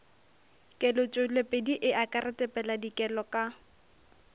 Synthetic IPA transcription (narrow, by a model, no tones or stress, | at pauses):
kʼɛlʊt͡ʃʼolepʼediʔɪʔakʼarɪtʼɛpʼɛladikʼɛlɔkʼa